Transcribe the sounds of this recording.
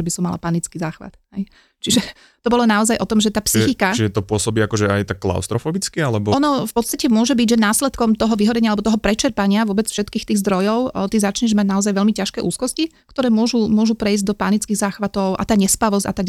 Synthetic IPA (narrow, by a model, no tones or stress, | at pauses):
ɛbisɔmːala̰panit͡skiːzaːxʋa̰t̪ɦɛj | t͡ʃiʒɛ | t̪ɔbɔlɔnaɔzajʔɔt̪ɔmʒɛt̪aːpsixikaiʒɛt̪ɔpʊɔsɔbiːakɔʒɛa̰jt̪akːla̰ʊst̪ɾɔfɔbit͡skialɛbɔɔnɔfpɔt̪st̪acɛmʊɔʒɛbiɟʒɛnaːslɛt̪kɔmt̪ɔɦɔʋiɦɔɾɛɲɪalɛbɔt̪ɔɦɔpɾɛt͡ʃɛɾpaɲɪaʋʊɔbɛt͡sfʃɛt̪kiːxt̪iːɣzd̪ɾɔjɔʊt̪izat͡ʃɲɛʒmaɟnaɔzajʋɛʎmicaʃkɛːʔuːskɔscikt̪ɔɾɛːmʊɔʒumʊɔʒupɾɛizɟd̪ɔpanit͡skiːɣzaːxʋat̪ɔʊʔa̰t̪aːɲɛspaʋɔzca̰t̪aɡ